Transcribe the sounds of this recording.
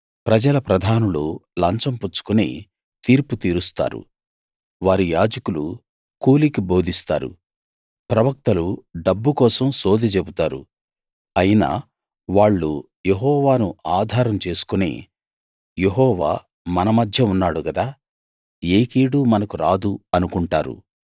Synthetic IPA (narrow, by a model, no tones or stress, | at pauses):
pɾɐd͡ʒɐlɐpɾɐd̪ʱaːnululɐɲt͡ʃɐmput͡ʃu̥kunḭː | t̪iːɾput̪iːɾust̪a̰ːɾṵ | ʋaːɾijaːd͡ʒɐkulṵ | kuːlikibo̞ːd̪ʱist̪a̰ːɾṵ | pɾɐʋɐk̚t̪ɐluɖɐbːukɔːsɐmso̞ːd̪ʱit͡ʃebut̪aːɾṵ | ɐjina̰ː | ʋaːɭːu | jeɦɔːʋaːnuaːd̪ʱaːɾɐmt͡ʃe̞ːsu̥kunḭː | jeɦɔːʋa̰ː | mɐnɐmɐd̪ʱjɐunːaːɽukɐd̪aː | eːkiːɽumɐnɐkuɾaːd̪uɐnukuɳʈa̰ːɾṵ